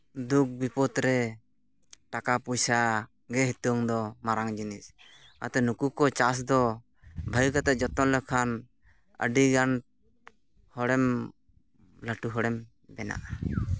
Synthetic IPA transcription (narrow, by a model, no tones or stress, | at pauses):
d̪uk̚bipɔt̪ɾɛ | ʈakapujsa | ɡɛɦit̪ɔŋd̪ɔmaɾaŋd͡ʒinis | a̰t̪ɛnukukɔt͡ʃas̬d̪ɔ | bʱajkat̪ɛʔd͡ʒɔt̪ɔnlɛkʰan | ə̰ɖiɡan | hɔɽɛm | laʈuɦɔɽɛm | bɛna̰ʔa